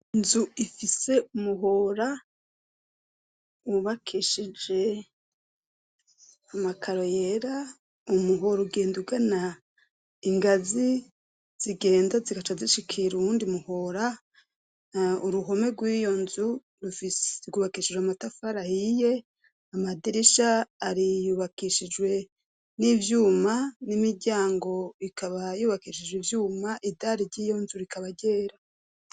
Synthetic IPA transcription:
nzuifise̞umuɦoɾa | uβakʰiʃid͡ʒe̞ | amakʰaɾo̞jeɾa | umuɦoɾuɡe̞ːnduɡana | iŋɡazi | z̥iɡe̞ːndaziɡat͡ʃaziʃikʰiɾuuːndiumuhoɾa | uɾuɦo̞me̞ɡwiːjo̞nzu | ɾufisɡuːβakiʃid͡ʒwamatafaɾahije̞ | amadiɾiʃaːɾijuβakiʃid͡ʒwe̞ | nivjuːmanimiɟaːŋɡo̞ikʰaβajuːβakiʃid͡ʒwivjuːmaʔidaɾiɾɟiːjo̞nzuɾikʰaβaɟe̞ːɾa

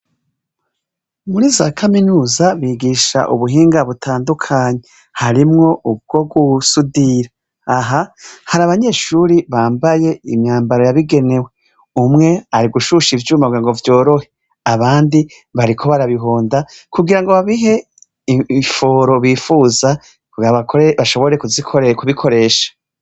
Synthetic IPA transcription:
muɾizakʰaminuːzaβiɡiʃa̰ʔuβuɦiːŋɡaβutʰaːndukʰaːɲe | haɾimŋo̞ʔub̚ɡo̞ɡusudiɾa | aɦahaɾaβaɲe̞ːʃuɾiβaːmbaje̞imɲaːmbaɾo̞jaβiɡe̞ne̞we̞ | umŋe̞aɾiɡuʃuʃivjumaɡaŋɡovjo̞ːɾo̞he̞ | aβaːndi | βaɾikʰo̞βaɾaβiɦoːndakuɡiɾaŋɡo̞βaβiɦe̞ | ifo̞ɾo̞βiːfuːza | βaβakoeβaʃo̞βo̞ɾe̞kuzikʰokuβikʰo̞ɾe̞ːʃḁ

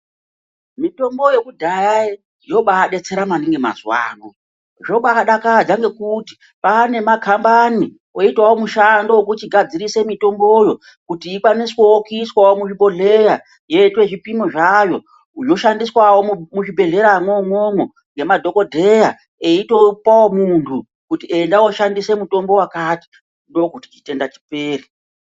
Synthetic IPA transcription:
mito̞mbo̞je̞kudʱajai | jo̞ɓaːɗe̞t͡se̞ɾamaniŋɡema̰zwa̰ːno | ʐoɓakaɗakad͡ʒaŋɡe̞kuti̥ | paːne̞makʰambani | o̞itwawomuʃandowok̬ut͡ʃiɡʱad͡ziɾise̞mito̞mbo̞jo̞ | kutiːkwaniswowokiswawomuʐiɓo̞ɮe̞ja | jetwe̞ʐipimoʐajo̞ | ujo̞ʃandiswawomuʐibʱe̞ɮe̞ɾamwomwomo | ŋɡe̞madʱo̞ko̞dʱe̞ja | eitopawomuntʰu | kutie̞ndawoʃandise̞muto̞mbo̞wakati̥ | ndo̞kuti̥t͡ʃi̥te̞ndat͡ʃi̥peːri

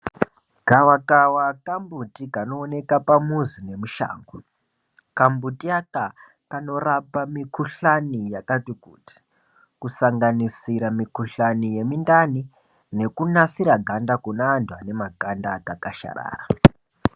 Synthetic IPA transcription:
ɡ̥ʱawakawakambutikano̞ːne̞kapamuzine̞muʃa̰ːŋɡu | kambutiaka | kano̞rapamikuɬanijakatukṵti̥ | kusaŋɡanisiɾamikuɬanije̞mindani | ne̞kunasiɾaɡʱandakunaːndwane̞maɡʱandaɡakaʃa̰ɾa̰ːra

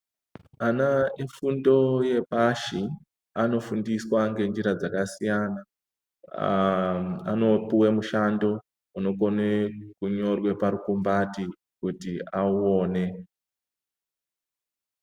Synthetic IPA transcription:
anaifundo̞je̞paʃi | ano̞fundiswaŋɡe̞nd͡ʒiɾad͡zakasijana | a̰no̞puwemuʃando̞ | uno̞ko̞nekuɲo̞rwe̞paɾukumbati | kutiauoːne̞

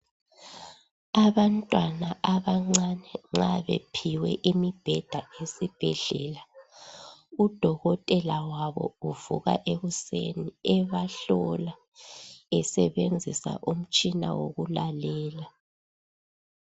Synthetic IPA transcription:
aβantʼwanaʔaβaŋ͡ǀanɛŋ͡ǁaβepʰiwɛʔimib̥ʱɛd̥ʱaesib̥ʱɛɮɛːla | ud̥ʱɔɣɔtʼɛlawaβɔ̰uv̥ṵɣa̰ʔeɣusḛniɛβaɬɔla | ɛsɛβend͡zʱisa̰ʔum̩t͡ʃʼina̰wo̰ɣulalɛːla

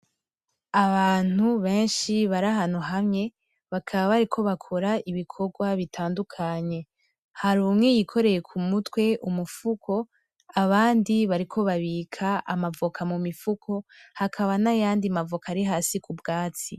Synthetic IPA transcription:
aβaːn̥huβe̞ːnʃiβaɾaɦan̥uɦamŋe̞ | βakʰaβaβaɾikʰo̞βakʰo̞ɾaiβikʰo̞ɡwaβitʰaːndukʰaɲe̞ | haɾuːmŋejikʰo̞ɾe̞je̞kʰumutwe̞ʔumufukʰo̞ | aβaːndiβaɾikʰo̞βaβiːkʰaʔa̰mavokʰamumifukʰo̞hakʰaβanajaːndiamavokaːɾiɦaːsikubɡaːt͡si

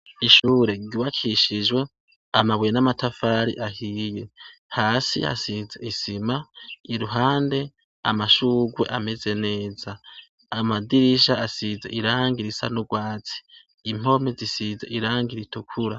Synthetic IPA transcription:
iʃuːɾe̞ɡɟuwakʰiʃiʒɡwe̞ | amawejenamatafaːɾḭʔahiːje̞haːsḭa̰sizeisimaiɾuɦaːnde̞ | a̰maʃuːɡwe̞̰ʔameze̞ne̞ːzaː | madiɾiʃaasizeiɾaːŋɡiɾisa̰nuɡwaːt͡si̥ː | m̥o̞mezisize̞ʔiɾaːŋɡiɾitukʰuɾa

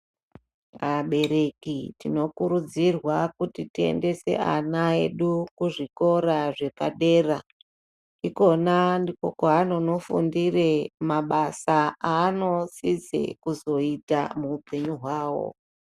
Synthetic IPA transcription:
aɓe̞ɾe̞kitino̞kuɾud͡zirwakutitie̞̰nde̞se̞̰a̰nae̞ɗukuʐiko̞ɾaʐe̞paɗe̞ːra | iko̞nandiko̞koano̞no̞fundire̞maɓasaaːno̞sid͡zḛkuzo̞ita̰muːpe̞ɲuɦwaːwo̞̰

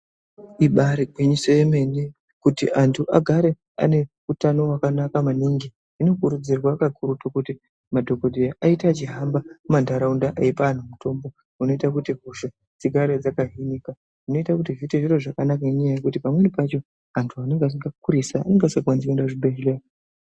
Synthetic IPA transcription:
iɓaɾiɡwiɲiso̞jeme̞ni | kutiʔantʰuʔaɡʱaɾe̞ | a̰ne̞ | utano̞wakanakamaniŋɡiː | no̞kuɾud͡zirwakakʰuɾutokuti | madʱo̞kodʱijaʔaitat͡ʃiɦambamandʱaɾaundaʔaipaːn̤umuto̞mbo̞ | uno̞itakutiɦuʃe | d͡ziɡʱaɾed͡zakaɦinika | uno̞itakutivitiʐiroʐakanakaiɲajaje̞kutipamwe̞nipat͡ʃo̞ | antʰuane̞ŋɡasiŋɡak̚uɾisa̰ːne̞ŋɡasakuwanzikendaʐibʱeɦele

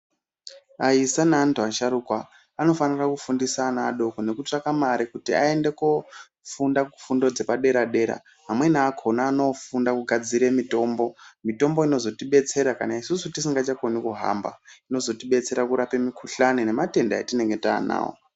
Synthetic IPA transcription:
aisanaantuaʃaɾukwaː | no̞fanirakufundisaːnaːɗo̞kone̞kut͡ʂakamaɾikutia̰e̞nde̞ko | fundaku̥fundo̞d͡ze̞paɗe̞ɾaɗe̞ɾa̰ | ɦamwe̞naːkʰonaːno̞fundakuɡʱad͡ziɾemito̞ːmbo̞mito̞mbo̞ino̞zo̞tiɓe̞t͡se̞ɾakanaisusutisiŋɡat͡ʃako̞nikuɦa̰mba̰ino̞zo̞tiɓe̞t͡se̞ɾakuɾape̞mikʰuɬanine̞mate̞ndaetine̞ŋɡe̞ta̰ːna̰ːo̰

